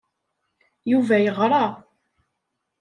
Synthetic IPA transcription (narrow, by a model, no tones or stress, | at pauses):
juvæjəʁɾˤɑ